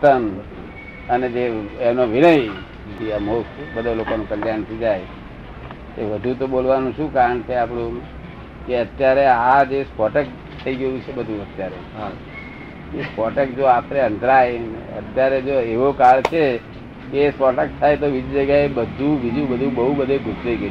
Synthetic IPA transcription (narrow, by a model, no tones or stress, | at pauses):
t̪ən | əned͡ʒeemnoʋiɽəj | t̪ʰiamokbəd̪ʱolokonũkəljant̪ʰid͡ʒaj | eʋəd̪ʱũt̪obolʋanũʃũkaɾəɳt͡ʃʰeapɽ̃ũ | keət̪jaɾead͡ʒespɔʈək̚ | t̪ʰːəiɡəjũt͡ʃʰebəd̪ʱũət̪jaɾe | espɔʈəkd͡ʒoap̪ɾeə̃nt̪ɾajə̰t̪jaɾed͡ʒoeʋokaɭt͡ʃʰe | keːspɔʈək̚t̪ʰajt̪̬oʋid͡ʒud͡ʒəɡjaebəd̪ʱũbid͡ʒũbəd̪ʱũbəɦubəd̪ʱeɡʱusd͡ʒəiɡə